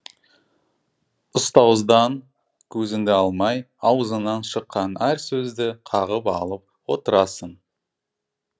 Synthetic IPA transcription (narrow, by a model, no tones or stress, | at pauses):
ʊst̪ɑwzd̪ɑŋ | kʲʰɵzɪnd̪ɪɑlˠmɑj | ɑwəzənɑnʃəqːɑnæɾsɵzd̪ɪqʰɑʁəpɑlˠəp̚wo̞t̪əɾɑsən